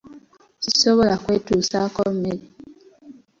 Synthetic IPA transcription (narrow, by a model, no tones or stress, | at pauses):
sisoβo̞lakweːtuːsakolmele